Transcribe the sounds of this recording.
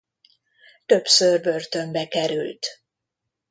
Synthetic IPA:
t̪ø̞psørbø̞rt̪ø̞mbɛkɛɾylt̪

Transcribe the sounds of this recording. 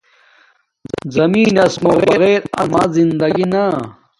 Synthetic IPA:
zɐmiːnɐsmɐɣeɣeːɾɐmazind̪ɐɡinɐ

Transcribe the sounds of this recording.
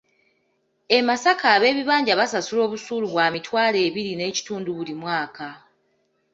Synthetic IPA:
e̞masakaːβe̞ːβiβaːɲɟaβasasulo̞ːβusuːluβwaːmitwaːle̞ːβiɾine̞ːci̥tuːnduβulimwaːka

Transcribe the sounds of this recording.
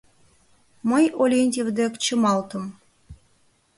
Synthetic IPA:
məjolʲenʲt̪ʲevd̪ekt͡ɕə̆mɑlˠt̪ə̆m

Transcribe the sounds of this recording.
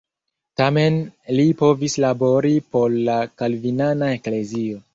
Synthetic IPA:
tame̞nlipo̞vislabo̞ɾipo̞lːakalvinanae̞kle̞zio̞

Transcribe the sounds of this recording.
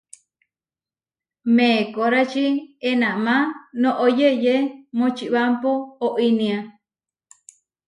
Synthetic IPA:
mẽkoɾat͡ʃienãʔmãnõʔojejemõt͡ʃiʔβampoːʔinĩã

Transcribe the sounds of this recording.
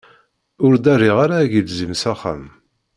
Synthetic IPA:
ʊɾd̪æriʁaɾaːʝilzimsæχːæ̰m

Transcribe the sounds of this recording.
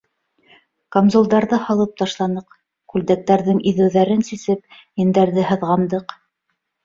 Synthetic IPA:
komzulˠd̪ɑɾðɤhɑlˠɤp̚t̪ɑʃlˠɑnɤq | kʉld̪æk̚t̪æɾðɘŋiðɘ̆wðæɾɘnsisɘp | jɘ̆nd̪æɾðɘɦɤ̆ðʁɑnd̪ɤq

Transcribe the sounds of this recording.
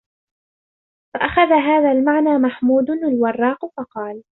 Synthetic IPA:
faʔaxaðaɦaːðaːlmaʕnaːmaħmuːd̪ʊnalwɑrˤːɑːqfɑqɑːl

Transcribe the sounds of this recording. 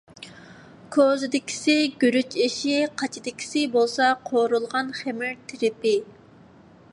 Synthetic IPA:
kʰoːzɪd̪ɪkʲʰi̥sɪɡʲyɾyt͡ʃʰiʃiqʰɑt͡ʃʰid̪ɪkʲʰi̥sɪbolˠsɑqʰoɾulˠʁɑnχemɪɾt̪ʰɪɾɪpɪ

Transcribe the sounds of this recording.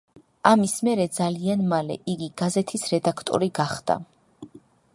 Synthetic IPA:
amismɛɾɛd̪zalianmalɛ̰ʔiɡiɡazɛt̪ʰisɾɛd̪akʰt̪ʼɔ̰ɾiɡaχd̪̥a̰

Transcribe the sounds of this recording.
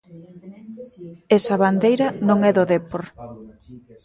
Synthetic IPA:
ɛsɐβand̪ejɾɐnõŋɛðoðepoɾ

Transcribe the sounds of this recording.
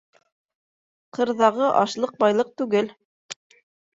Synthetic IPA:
qɤ̆ɾðɑʁɤʔɑʃlˠɤq̚bɑjlˠɤq̚t̪ʉɡɘl

